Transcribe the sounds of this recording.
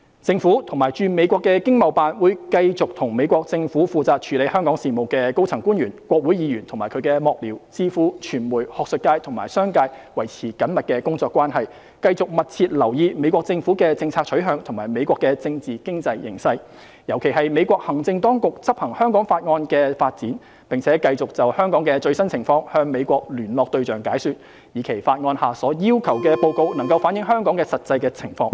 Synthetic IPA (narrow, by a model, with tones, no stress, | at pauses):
t͡sɪ˧ŋfuː˨˥t̪ʰʊ˨˩ŋmaː˨˩jt͡ʃyː˧me˨˧jkʷɔː˧kːɛː˧kɪ˥ŋmɐ˨˩wpaː˨nwuː˨˧jkɐ˧jt͡sʊ˨k̚t̪ʰʊ˨˩ŋme˨˧jkʷɔː˧k̚t͡sɪ˧ŋfuː˨˥fuː˨˧t͡saː˨k̚t͡ʃʰyː˨˥le˨˧jhœː˥ŋkɔː˨˥ŋsiː˨mo˨˩wkɛ˧ko˥wt͡sʰɐ˨˩ŋkuː˥nɥyː˨˩nkʷwɔː˧k̚wu˨˥jiː˨˥jyː˨˩nt̪ʰmaː˨jkʰɵ˨˧ɥkɛː˧mɔː˧k̚liː˨˩wt͡siː˧˥fuː˨˥t͡ʃʰyː˨˩nmuː˨˩jhɔː˨k̚sɵ˨t̚kːaː˧jt̪ʰʊ˨˩ŋma̰ː˨˩jsœː˥ŋkaː˧jwɐ˨˩jt͡sʰiː˨˩kɐ˨˥nmɐ˨t̚kɛː˧kʊ˥ŋt͡sɔː˧kʷːwaː˥nɦɐ˨j | kɐ˧jt͡sʊ˨k̚mɐ˨t̚t͡sʰiː˧t̚lɐ˨˩wjiː˧me˨˧jkʷɔː˧k̚t͡sɪ˧ŋfu˨˥kɛː˧t͡sɪ˧ŋt͡sʰaː˧k̚ʰɵ˨˥ɥɦœː˨˧ŋt̪ʰʊ˨˩ŋmaː˨˩jme˨˧jkʷɔː˧kːɛ˧t͡sɪ˧ŋt͡siː˨kɪ˥ŋt͡sɐ˧jːɪ̰˨˩ŋsɐ˧j | jɐ˨˩wkʰe˨˩jɦɐ˨jme˨˧jkʷɔː˧k̚hɐ˨˩ŋt͡sɪ˧ŋt̪ɔː˥ŋkʊ˨k̚t͡sɐ˥p̚hɐ˨˩ŋhœː˥ŋkɔː˨˥ŋfaː˧t̚ŋɔː˧nkɛː˧faː˧t̚t͡siː˨˥n | pɪ˨ŋt͡sʰɛː˨˥kɐ˧jt͡sʊ˨k̚t͡sɐ˨whœː˥ŋkɔː˨˥ŋkɛː˧t͡ʃɵ˧ɥsɐ˥nt͡sʰɪ˨˩ŋfɔː˧ŋhœː˧ŋme˨˧jkʷɔː˧k̚lyː˨˩nlɔː˨k̚t̪ɵ˧ɥt͡ʃœː˨˩ŋkaː˨˥jsyː˨˧t̚ | jiː˨˧kʰe˨˩jfaː˧t̚ŋɔː˧nhaː˨sɔː˨˥jiː˥wkʰɐ˨˩wkɛː˧po˧wko˧wnɐ˨˩ŋkɐ˧wfaː˨˥njɪ˨˥ŋɦœː˥ŋkɔː˨˥ŋkɛ˧sɐ˨t̚t͡sɐ˧jkɛː˧t͡sʰɪ˨˩ŋfɔː˧ŋ